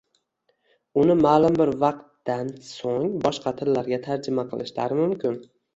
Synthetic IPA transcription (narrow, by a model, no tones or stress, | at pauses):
ʊnɪmaːlɪmbɪɾvɑq̚t̪ːansoŋbɒʃqʰɑt̪ʰɪlːaɾɡʲat̪ʰaɾd͡ʒɪmaqʰɨlˠɪʃla̰ɾɪmʊmkʲʰɪn